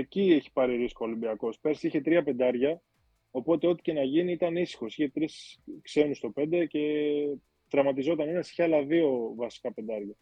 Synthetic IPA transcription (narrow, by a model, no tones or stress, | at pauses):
ecieçi̥pɐɾiɾiskolimbiɐko̞speɾsiçe̞t̪ɾiɐpe̞nd̪ɐɾʝɐ | o̞po̞t̪e̞o̞t̪i̥ce̞nɐʝiniit̪ɐnisi̥xo̞siçe̞t̪ɾiskse̞nust̪o̞pe̞nd̪e̞ce̞ | t̪ɾɐmɐt̪izo̞t̪ɐnenɐsi̥çeɐlɐðio̞vɐsi̥kɐpe̞nd̪ɐɾʝɐ